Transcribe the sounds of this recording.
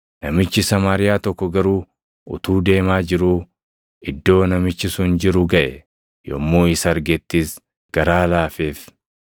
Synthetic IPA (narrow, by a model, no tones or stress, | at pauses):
nɐmɪt͡ʃːɪsɐmaːɾɪjaːt̪ɔkːɔɡɐɾuː | ʊ̰t̪uːd̪e̞ːmaːd͡ʒɪɾuː | ɪd̪ːo̞ːnɐmɪt͡ʃːɪsʊnd͡ʒɪɾʊɡɐʔɛ | jɔ̰mːoːɪsɐɾɡɛt̪ːiːs | ɡ̥ɐɾaːlaːfeːf